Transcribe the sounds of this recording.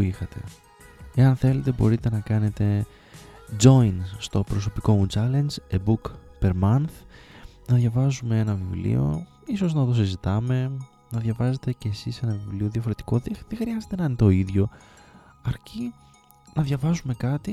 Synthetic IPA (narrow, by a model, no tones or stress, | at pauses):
ixɐt̪e̞̰ | e̞ɐnθe̞le̞t̪e̞bo̞ɾit̪e̞nɐkɐne̞t̪e̞ | d͡ʒo̞jnst̪o̞pɾo̞so̞piko̞mut͡ʃɐle̞nd͡ʒebukpe̞ɾmɐnθnɐðʝɐvɐzume̞enɐvivlḭo̞̰ | iso̞znɐt̪o̞s̬izit̪ɐme̞ | nɐðʝɐvɐze̞t̪e̞ceːsise̞nɐvivlio̞ðjɐfo̞ɾe̞t̪i̥ko̞ðeðexɾiɐzet̪e̞nɐnt̪o̞iðʝo̞ | ɐɾci | nɐðʝɐvɐzume̞kɐt̪i